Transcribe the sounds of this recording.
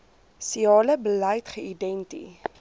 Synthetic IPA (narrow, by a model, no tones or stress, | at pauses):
siɑːləbəlɐjtχəidɛntḭ